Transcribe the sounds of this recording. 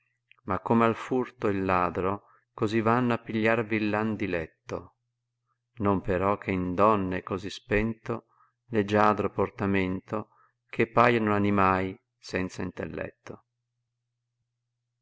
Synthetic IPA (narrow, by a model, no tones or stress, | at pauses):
makːomealfurt̪oilːaːd̪ɾo | kozivanːoapːiʎːarviːlːand̪ilɛt̪ːo | nompeɾɔkʰːeind̪ɔnːekozispɛnt̪o | led͡ʒaːd̪ɾoport̪ament̪o | kʰepːaːjanoanimaj | sɛnt̪saint̪ḛlːɛ̰t̪ːo